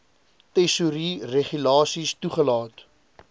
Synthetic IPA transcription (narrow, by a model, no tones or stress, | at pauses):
tɛsuɾireχylɑːsistuχəlɑːt